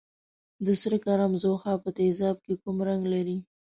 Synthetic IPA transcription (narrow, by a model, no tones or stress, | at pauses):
d̪əsɾəkaɾamzoxɑpət̪ezɑb̚kekumɾaŋɡlaɾi